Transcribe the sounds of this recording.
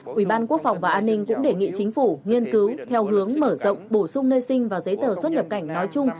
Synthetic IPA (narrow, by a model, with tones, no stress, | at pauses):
ʔwi˧˩ɓaː˧nku˦˥ək̚fa˨˩wŋ͡mvaː˨˩ʔaː˧nːï˧ŋ̟kʊ̰˧˥ŋ͡mɗe˧˩ŋḭ˧˨t͡ɕï˨˦ŋ̟fu˧˩ŋi˧ənkɨ˨˦wt̪ʰɛ˧wɦɨ˨˦əŋməː˧˩zɔ̰˧˨wŋ͡mɓo˧˩sʊ˧ŋ͡mnəː˧jsï˧ŋ̟vaː˨˩zə˨˦jt̪əː˨˩swə˦˥t̚ɲə˨˩p̚ka˧˩jŋ̟nɔ˨˦jt͡ɕʊ˧ŋ͡m